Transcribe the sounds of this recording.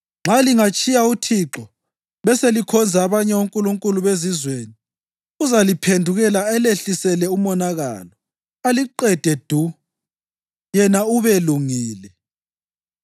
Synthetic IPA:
ŋ͡ǁʱaliŋat͡ʃʼijautʰiǁɔ | βɛselikʰɔnd͡zʱaːβaɲɛoŋkʼuluŋkʼuluβezizweni | uzalipʰendʱuɣɛlaɛleɬisɛlɛumɔnaɣa̰lɔ | aliǃɛd̥ʱɛd̥ʱu | jɛnauβeluŋiːlɛ

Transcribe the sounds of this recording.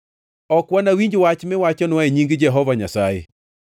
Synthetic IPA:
ɔkwanawiɲd͡ʒwat͡ʃmɪwat͡ʃɔnwaeɲiŋɡd͡ʒɛɦɔvaɲasajḛ

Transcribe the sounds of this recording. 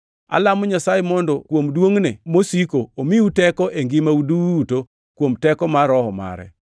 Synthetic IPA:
a̰lamɔɲasajemɔndɔkwomdwoŋnemosikoomiutɛkɔʔeŋɡɪmauduuto | kwomtɛkɔmaɾɔhɔma̰ɾɛ̰

